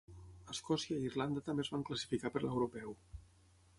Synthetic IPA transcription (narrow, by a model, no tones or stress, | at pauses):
əskɔsiəiirland̪ət̪əmbezβaŋkləsi̥fikapəɾləwɾupɛw